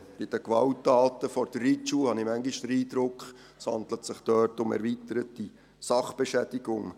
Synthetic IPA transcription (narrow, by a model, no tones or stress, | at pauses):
b̥ɪd̥əkʋɑwtːɑːtəfɔɾd̥̪ərit͡ʃuhɑnimæŋɡɪʃdɾiːd̪ɾʊkχ | shɑ̰nd̪lətsɪχtœːrtʊmɛ̰ɾvitəɾət̚di | sɑχb̥eʃɛd̥ɪɡ̥ʊŋ